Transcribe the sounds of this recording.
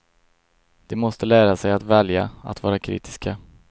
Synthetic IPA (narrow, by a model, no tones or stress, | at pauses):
d̪̥ɛmɔst̪əlæːɾasɛjat̪vɛljaa̰t̪vɑːɾakʰɾḭːt̪ɪ̥ska